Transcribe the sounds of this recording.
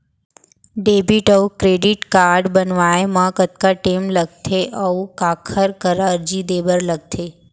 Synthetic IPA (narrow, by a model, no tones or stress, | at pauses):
ɖebiʈəukɾeɖiʈkaɾɖbənʋaemãkət̪̚kaʈemləɡ̚t̪ʰeʔəukakʰəɾkəɾaəɾd͡ʒid̪ebəɾləɡ̚t̪ʰe